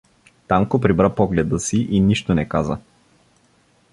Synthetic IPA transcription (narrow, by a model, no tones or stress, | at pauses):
t̪aŋkopɾibɾapɔɡlɛd̪əsiʔiniʃt̪onɛkazə